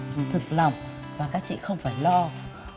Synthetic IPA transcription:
t̪ʰɨ˨˩k̚la˨˩wŋ͡m | vaː˨˩kaː˦˥k̚t͡ɕḭ˧˨xə˧wŋ͡mfaː˧˩jlɔ˧

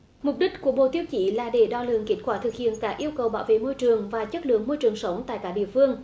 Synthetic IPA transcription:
mʊ˨˩k͡p̚ɗï˦˥k̟̚ku˧˩əɓo̰˧˩t̪i˧əwt͡ɕi˧˩laː˨˩ɗe˧˩ɗɔ˧˩lɨ̰˧˨əŋki˦˥t̚kwaː˧˩t̪ʰɨ˨˩k̚hḭ˧˨ənkaː˧˦˥ʔi˧əwkə˨˩wɓaː˧˦˩wvḛ˧˨mo˧jt͡ɕɨ˨˩əŋvaː˨˩t͡ɕə˦˥t̚lɨ̰˧˨əŋmo˧jt͡ɕɨ˨˩əŋsə˨˦wŋ͡mt̪a̰ː˧˨jkaː˧˩˥ɗḭ˧˨əfɨ˧əŋ

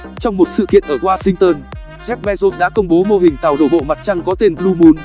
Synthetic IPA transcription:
t͡ɕɔ˧wŋ͡mmo˨˩t̚sɨ̰˧˨kḭ˧˨ənʔəː˧˩ʔwaː˧sï˧ŋt̪əː˧n | zɛ˦˥k̚mɛ˧zo˦˥sɗa̰ː˧˥kə˧wŋ͡mɓo˨˦mo˧ɦï˨˩ŋ̟t̪a˨˩wɗo̰˧˩ɓo̰˧˨ma˨˩t̚t͡ɕa˧ŋkɔ˨˦t̪e˧nblu˧mu˨˦n

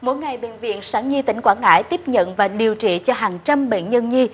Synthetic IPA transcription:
mo˧˦jŋa˨˩jɓḛ˧˨nvḭ˧˨ənsaː˨˦ŋɲi˧t̪ï˨˩˦ŋ̟kwaː˧˥nŋa̰ː˧˥jt̪i˦˥əp̚ɲə̰˧˨nvaː˨˩ɗi˨˩əwt͡ɕḭ˧˨t͡ɕɔ˧ɦaː˨˩ŋt͡ɕa˧mɓḛ˧˨nɲə˧nɲi˧

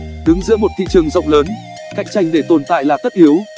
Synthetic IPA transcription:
ɗɨ˨˦ŋzɨ̰˧˥əmo˨˩t̚t̪ʰḭ˧˨t͡ɕɨ˨˩əŋzə̰˧˨wŋ͡mləː˨˦n | ka̰˧˨jŋ̟t͡ɕa˧˩jŋ̟ɗe˧˩t̪o˨˩nt̪a̰ː˧˨jlaː˨˩t̪ə˦˥t̚ʔi˨˦əw

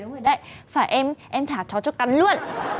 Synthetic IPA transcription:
ɨ˨˦əŋɨ˨˩ɗə̰˧˨jfaː˧˩jʔɛ˧mʔɛ˧mt̪ʰaː˧˩t͡ɕɔ˨˦t͡ɕɔ˨˧˦ka˨˦nlu˧ən

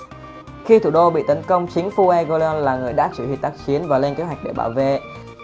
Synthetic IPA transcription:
xi˧t̪ʰṵ˧˩ɗo˧ɓḭ˧˨t̪ə˨˦nkə˧wŋ͡mt͡ɕi˨˦əŋfu˧ʔɛ˧ɣo˧le˧ɔ˧nlaː˨˩ŋɨ˨˩əjɗaː˦˥sɨ̰˧˩hḭ˨˩t̪aː˦˥k̚t͡ɕi˨˦ənvaː˨˩le˧nke˨˦hwa˨˩k̟̚ɗe˧˩ɓa̰ː˧˩wve˧˨

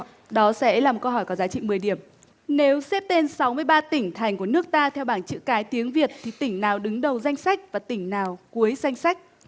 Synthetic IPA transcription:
ɗɔ˨˦sɛ̰˧˥laː˨˩m˨˩t̚kə˧wɦɔ˧˩jkɔ˨˦zaː˨˦t͡ɕḭ˧˨mɨ˨˩əjɗi˧˩əm | ne˨˦wsɛ˦˥p̚t̪e˧nsa˨˦wmɨ˧əjɓaː˧t̪ï˧˩ŋ̟t̪ʰa˨˩jŋ̟ku˧˩ənɨ˦˥ək̚t̪aː˧t̪ʰɛ˧wɓaː˧˩nt͡ɕɨ̰˧˥kaː˨˦jt̪i˨˦əŋvi˨˩ət̚t̪ʰi˨˩t̪ï˧˩ŋ̟naː˨˩wɗɨ˨˦ŋɗə˨˩wza˧jŋ̟sa˦˥jk̟̚vaː˨˩t̪ï˧˩ŋ̟naː˨˩wku˨˦əjza˧jŋ̟sa˦˥jk̟̚

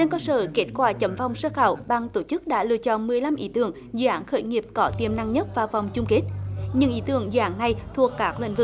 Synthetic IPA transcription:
ɗe˧ŋkə˧səː˧˩ke˦˥t̚kwaː˧˩t͡ɕə˨˦mva˨˩wŋ͡msəː˧xaː˧˩wɓa˨˩ŋt̪o˧˩t͡ɕɨ˦˥k̚ɗa̰ː˧˥lɨ̰˧˨ət͡ɕɔ̰˧˨nmɨ˨˩əjla˧mʔḭ˨˦t̪ɨ˧˩əŋ | zɨ̰˧˨ʔaː˨˦nxəː˧˩˦jŋi˨˩əp̚kɔ˨˦t̪i˨˩əmna˧ŋɲə˦˥t̚vaː˨˩wva˨˩wŋ͡mt͡ɕʊ˧ŋ͡mke˦˥t̚ɲɨ˧ŋʔḭ˧˩˦t̪ɨ˧˩əŋzɨ̰˧˨ʔaː˨˦nːa˨˧˩jt̪ʰu˨˩əkːaː˦˥k̚lḭ˧˨ŋ̟vɨ̰˨˧˩

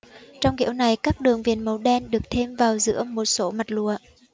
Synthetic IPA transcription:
t͡ɕɔ˧wŋ͡mɣḭ˧˥əwna˨˩jkaː˦˥k̚ɗɨ˨˩əŋvḭ˨˩ənmə˨˦wɗɛ˧nɗɨ˨˩ək̚t̪ʰe˧mvaː˨˩wzɨ̰˧˥əmo˨˩t̚so˨˦ma˨˩t̚lṵ˧˨ə

